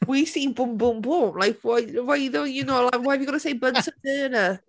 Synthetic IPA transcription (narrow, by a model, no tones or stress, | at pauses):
wisiːmbʊmbʊmbʊmlˠajkʰwawajðɔjənoːlawajvəɡɔnəsejbəntʰəndɨːnə